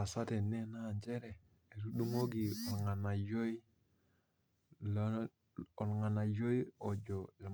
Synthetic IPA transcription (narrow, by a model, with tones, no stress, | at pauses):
a˨sa˦te˨nɛ˦na˦˨ɲd͡ʒɛ˦ɾɛ˨ | e˨ɾu˦du˦ŋo˦ɡi˨ɔ˨lŋa˨na˨jo˦i˦ | l | ɔ˨lŋa˨na˨jo˦i˦ɔ˨d͡ʒɔ˨e˨